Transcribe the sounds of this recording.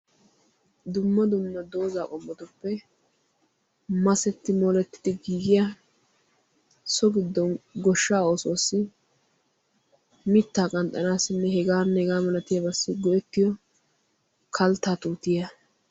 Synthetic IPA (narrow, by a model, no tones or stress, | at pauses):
d̪ʊmːɐd̪ʊnːɐd̪o̞ːzaːkʼɔmːɔt̪ʊpːɛ | mɐsɛt̪ːɪmɔlɛt̪ːɪ̥d̪ɪɡiːɡɪja | sɔɡɪd̪ːɔnɡɔʃːaːoːsoːsːɪ | mɪt̪ːaːkʼɐnt̪ʼːɐnaːsɪnːɛhɛɡaːnːɛɡaːmɐlɐt̪ɪjɐbɐsːɪɡɔʔɛt̪ːɪjɔ | kʰɐlt̪ːaːt̪ʼuːt̪ɪjɐ